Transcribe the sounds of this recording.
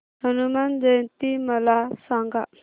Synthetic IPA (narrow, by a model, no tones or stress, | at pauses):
hənumand͡ʒəjnt̪iməlasãŋɡa